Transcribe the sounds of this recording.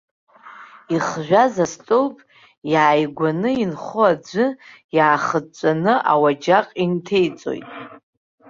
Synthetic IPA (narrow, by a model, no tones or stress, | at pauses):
iχʒᶣʷazastʼowpʼ | jaːjɡʷanɨinχʊad͡zʷɨ | jaːχət͡ʃʷʼanɨʔa̰wad͡ʒaqʼintʰe̞jt͡sʼo̰jtʼ